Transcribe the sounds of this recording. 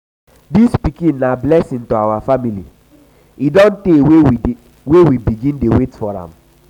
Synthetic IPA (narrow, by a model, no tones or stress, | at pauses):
dispikĩnːablɛsĩntoawafamilḭ | idɔ̃ntewe | wewibiɡĩndewetfɔɾã̰m